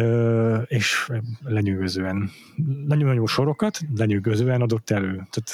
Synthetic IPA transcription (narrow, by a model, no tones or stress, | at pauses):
øːeːʃlɛɲyɡøzøːɛn | nɒɟonɲoːʃo̞ɾo̞kɒt̪lɛɲyɡøzøːɛnɒd̪o̞t̪ːɛløːt̪at̪